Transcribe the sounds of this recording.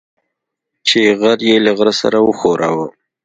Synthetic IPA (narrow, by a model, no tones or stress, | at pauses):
t͡ʃeɣaɾjelaɣɾasa̰ɾawəxoɾawə